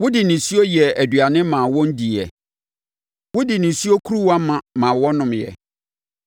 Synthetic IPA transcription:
wʊ˦dɪ˨nɪ̃˨su˦o˦jɛ˨æ˨dɥa˨nɪ̃˦mã˨wɔ̃˦n̩˦di˨ɛ̰˨ | wʊ˦dɪ˨nɪ̃˨si˦o˦kʰu˦ɾu˦wa˦mã˨mã˨wɔ˦nʊ̃˨mjɛ̰˨

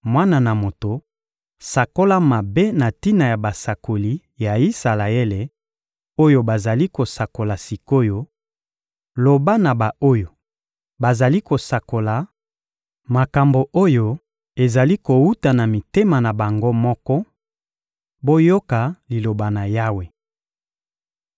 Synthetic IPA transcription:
mwa˦na˨na˨mo˨to˨ | sa˨ko˦la˦ma˨be˦na˨ti˦na˨ja˨ba˨sa˨ko˨li˦ | ja˨i˦sa˨la˨e˦le˨ | o˦jo˦ba˨za˨li˦ko˨sa˨ko˨la˨si˨ko˦jo˦ | lo˨ba˦na˨ba˨o˦jo˨ | ba˨za˨li˦ko˨sa˨ko˨la˨ | ma˨ka˨mbo˨ʔo˦jo˦ | e˨za˨li˦ko˨wu˦ta˨na˨mi˨te˦ma˨na˨ba˨ŋɡo˦mɔ˦kɔ˦ | bo˦jo˦ka˨li˨lo˨ba˨na˨ja˦we˨

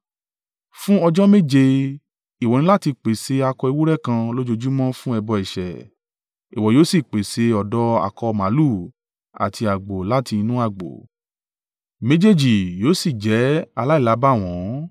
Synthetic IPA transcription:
fũ˦ɔ˧d͡ʒɔ˦me˦d͡ʒe˧ | i˨wɔ˨nĩ˧˦la˦ti˧k͡pe˨se˧a˧kɔ˧i˧wu˦ɾɛ˦kã˧lo˦d͡ʒo˧d͡ʒu˦mɔ̃˦fũ˦ɛ˧bɔ˧ɛ˨ʃɛ̰˨ | i˨wɔ˨joː˨˦si˦˨k͡pe˨se˧˦ɔ˨dɔ˧a̰˨kɔ˧mã˨˦lu˦˨ | a̰˨tʰi˧a˨ɡ͡bo˨la˦ti˧nũ˦a˧˨ɡ͡bo̰˨ | me˦d͡ʒe˦d͡ʒi˨joː˨˦si˦˨d͡ʒɛ˨˦a˧la˦i˦˨la˨˦ba˦˨w̃ɔ̃˨˦

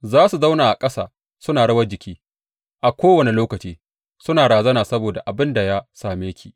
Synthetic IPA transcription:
zaː˦su˨za˦wnaː˨ʔa˨kʼɐ˦sa̰ː˨ | sʊ˦naː˨ɽɐ˦wɐ˦rd͡ʒɪ˨kʲiː˦ | ʔa˨kʷoː˦wɐ˨ni˨loː˦kɐ˨t͡ʃiː˦ | sʊ˦naː˨ɽaː˨zɐ˦naː˨sɐ˦boː˨da˨ʔa˨bɪ˦nda˨ja˦saː˨meː˦kʲʰḭː˨ʔ

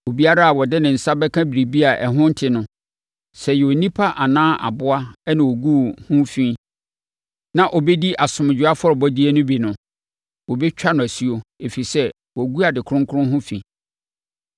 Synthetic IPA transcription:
o˨bi˦a˦ɾa˦a˨wɔ˨dɪ˦nɪ̃˨n̩˨sa˦bɛ˦kʰã˦bi˨ɾi˨bi˦a˨ʔɛ˨ɦʊ̃˦n̩˦tʰɪ˨nʊ̃˨ | sɛ˨jɛ˨o˨nĩ˦pʰa˦ʔa˨nãː˦ʔa̰˨bʊ˦a˦ɛ˦nɪ̃˨wo˨ɡu˦hʊ̃˦fĩ˦ | nã˨ʔɔ˨bɛ˦di˦ʔa˨sʊ̃˨m˨d͡ʑᶣʊ˨˦a˦fɔ˦ɾɔ˨bɔ˦di˦ɛ˦nʊ̃˦bi˨nʊ̃˨ | wɔ˨bɛ˦t͡ɕᶣa˦nʊ̃˨æ˨si˦o˦e˨fi˨sɛ˦ | wɔ˨ɡu˦a˨dɪ˨kʰʊ˦ɾʊ̃˦ŋ˦kʰʊ˦ʊ̃˦ɦʊ̃˦fĩ˨

